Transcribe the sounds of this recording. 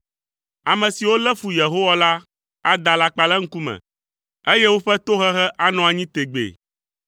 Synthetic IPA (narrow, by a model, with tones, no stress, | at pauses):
a˨mɛ̃˨si˨wo˦lɛ˦fu˨je˨ɦo˦wa˦la˦ | a̰˦d̪a˨la˦k͡pa˨lɛ˦ŋ̩˦ku˦mɛ̰̃˨ | e˦je˦wo˦ɸɛ˦t̪o˦xɛ˦xɛ˦ʔa˦nɔ̃˨a˨ɲĩ˦t̪e˨ɡ͡bḛ˨